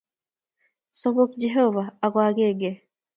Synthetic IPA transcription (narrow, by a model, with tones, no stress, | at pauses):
so˦bo˦k̚d͡ʒeɦo˦va˨a˨ɡwa˦ɡe˦˨ɡe˦˨